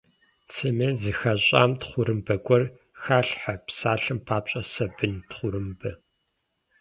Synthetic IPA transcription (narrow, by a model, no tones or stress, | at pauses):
t͡sʰɨmeːzɨxɐɕʼa̰ːmtχʷʊɾɨmbɐɡʷʼɔr | xaːɬħapsaːɬɨmpʰaːpɕʼɐsɐbɨntχʷʊɾɨmbɐ